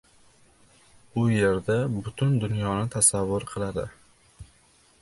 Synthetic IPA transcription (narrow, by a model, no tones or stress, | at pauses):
ʊje̞ɾd̪abʊt̪ʰʊnd̪ʊnjɒnɪt̪ʰasavːʊɾqʰɨlˠad̪ɪ̰